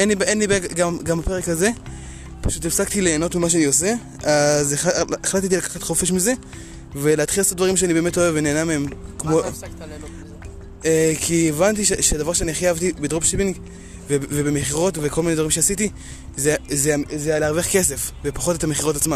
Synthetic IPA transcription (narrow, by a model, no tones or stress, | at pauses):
enlibʔenlibeɡɡamɡamape̞ʁekaze̞ | paʃutefsakt̪ileːno̞tmimaʃeaniose̞ | azeeχlat̪̬et̬ilakḁχat̪χo̞feʃmize̞ | ve̞leat̪χilosotdvaʁimʃeanibeːme̞to̞evene̞ːnameemkmo | ekʰievant̪̬iʃeʃedavaʁʃeaniχjavt̪ibedʁopʃepiŋɡ | vevebemeχiʁo̞tvekolmined̪vaʁimʃeasiti | zezeazealeaʁveχke̞se̞fvepaχo̞tetameχiʁo̞tat͡sma